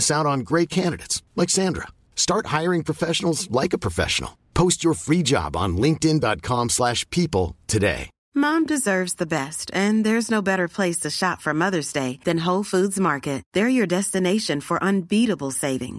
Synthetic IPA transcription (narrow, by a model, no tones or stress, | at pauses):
sãʊ̃nn̩ɡɹeɪt̚kʰæ̃ndɨɾɨ̰ɪtslaksæ̃ndɹə̰ | stɑɹt̚haɪə˞ɪ̃ŋpʰɹ̥ɨfɛʃn̩l̩ˠzlaɪkəpʰɹ̥əfɛ̰ʃn̩l̩ˠpʰoʊst͡ʃə˞fɹid͡ʒɑ̰b̃n̩lɪ̃ŋk̚tɨ̃ndɑt̚kʰɑ̃mslæʃpʰipl̩ˠtʰɨdḛɪ | mɑ̃mdɨzɜ˞vzðɨbɛstɨ̃nðə˞ɨznoʊbɛɾə˞pʰl̥eɪstʰɨʃɑtfə˞mʌðə˞zdeɪðɨ̃nɦoʊlˠfudzmɑɹkɨt̚ðə˞jə˞dɛstɨneɪʃɨ̃nfə˞ʔə̃nbiɾəbl̩ˠseɪvɪ̰̃ŋ